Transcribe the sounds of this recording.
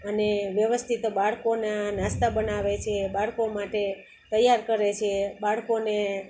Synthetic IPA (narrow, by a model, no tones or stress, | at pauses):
əneʋjəʋəst̪ʰit̪baɭkonanast̪abənaʋet͡ʃʰebaɭkomaʈe | t̪əjaɾkəɾet͡ʃʰebaɭkone